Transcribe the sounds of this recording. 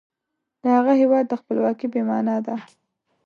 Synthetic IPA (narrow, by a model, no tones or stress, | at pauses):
d̪əhaɣaɦewɑd̪ːəxpəlwɑkibemɑnɑd̪a